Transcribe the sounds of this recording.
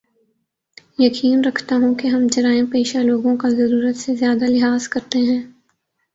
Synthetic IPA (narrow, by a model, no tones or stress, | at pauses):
jɐkiːnɾɐkʰt̪aɦũkeɦɐmd͡ʒɐɾaːẽpeːʃaloːɡõkazɐɾuːɾət̪sezjaːd̪alɪɦaːz̥kɐɾt̪eɦɛ̃ː